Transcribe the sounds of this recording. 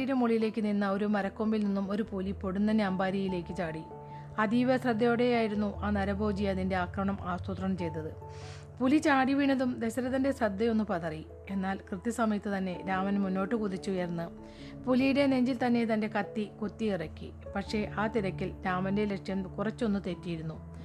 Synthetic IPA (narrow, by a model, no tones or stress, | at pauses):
ijiɾemuɭijile̞ːkʲːɨninːɐo̞ɾumɐɾɐkːo̞mbilninːumo̞ɾupulipo̞ɽunːɐnaːmbaːɾjɐjile̞ːkʲːɨt͡ɕaːɽi | ɐðiːʋɐsrɐd̪ːɐjoɽe̞jaːjiɾunːuʔaːnɐɾɐbʱo̞ːd͡ʑijɐɐðinde̞aːkrɐmɐɳɐmʔaːst̪ut̪rɐɳɐmt͡ɕe̞jt̪ːɐðɨ | pulit͡ɕaːɽiʋiɳːɐðumd̪e̞ɕɐɾɐðɐnde̞srɐd̪ːɐjo̞nːupɐðɐri | e̞nːaːlkrɨt̪ːisɐmɐjɐt̪ːɨt̪ɐnːe̞ɾaːmɐnmunːo̞ːʈːɨkuðit͡ɕːɨujɐrnːɨ | pulijiɽe̞ne̞ɲd͡ʑilt̪ɐnːe̞t̪ɐnde̞kɐt̪ːikot̪ːiirɐkʲːḭ | pɐkʂe̞ʔaːt̪iɾɐkʲːilɾaːmɐndelekʂjɐmkurɐt͡ɕːo̞nːɨt̪e̞tːijiɾunːu